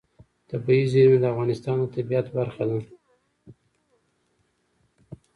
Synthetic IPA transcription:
t̪abizimed̪aafɣɑnɪst̪ɑnd̪ət̪abijat̪baɾxad̪a

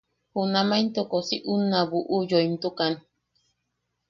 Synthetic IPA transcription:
hunamajnt̪okosiʔunːaβuʔujoimt̪ukan

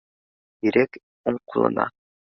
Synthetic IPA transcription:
iɾek | uɴqʰulˠɤ̰nɑ̰

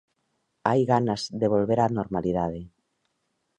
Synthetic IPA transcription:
ajɣanazd̪eβ̞olβeɾanoɾmaliðað̞e

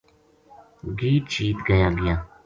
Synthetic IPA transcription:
ɡiːt͡ʃiːt̪ɡajaɡja

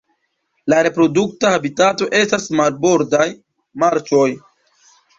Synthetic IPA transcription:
laɾe̞pɾo̞duk̚tahabitato̞ʔe̞stasmalbo̞ɾdaj | maɾt͡ʃo̞j

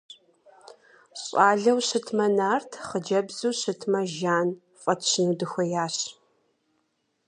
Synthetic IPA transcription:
ɕʼɑːɮɐwɕɨtʰmɐnaːrtʰχəd͡ʒɐbz̥uːɕɨtʰmɐʒaːn | fʼɐtʰɕɪnuːdɨxʷɐjaːɕ

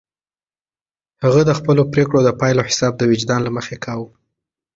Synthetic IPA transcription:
haɣəd̪əxpəlopɾekɽod̪əpɑjlohɪ̥sɑb̚d̪əwɪd͡ʒd̪ɑnlaməxekʰɑw

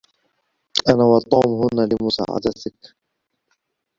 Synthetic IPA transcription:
ʔanawɑt̪ˤːuːmhʊnːalɪmʊsa̰ːʕa̰d̪at̪ɪk

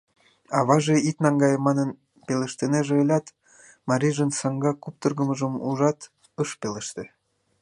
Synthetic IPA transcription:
ɑβɑʒeit̪̚nɑŋɡɑjəmːɑnən | pelĕʃt̪eneʒeːlʲɑt̪ | mɑɾʲiʒənsɑŋɡɑkup̚t̪ərɣəməʒəmuʒɑt̪ | əʃpeleʃt̪ĕ

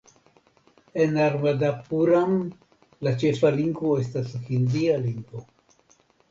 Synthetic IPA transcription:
enaɾmad̪apuɾam | lat͡ʃe̞faliŋɡvoe̞s̬tasfinzialiŋɡvo

